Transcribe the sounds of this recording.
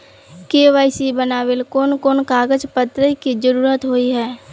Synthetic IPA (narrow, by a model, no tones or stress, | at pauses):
keːʋaːɪsibənaːʋelkoːnkoːnkaːɡəd͡ʒpət̪ɾəkid͡ʒəɾuːɾət̪ɦoːiɦɛː